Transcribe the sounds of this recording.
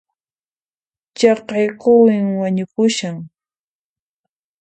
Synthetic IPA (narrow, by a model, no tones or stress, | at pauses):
t͡ʃɑqɑjqʊwɪŋwaɲʊkʊʃaŋ